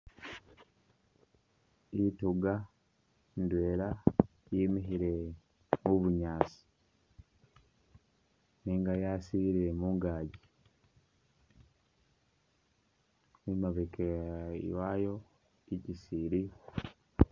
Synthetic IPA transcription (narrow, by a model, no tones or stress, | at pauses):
ituɡa | ndwe̞ːla | jimiɦiɾe̞ | muβuɲaːsi̥ | niːŋɡajasiiɾiɾemuŋɡaːɟi | nimaβekejwajo̞ | icisiɾi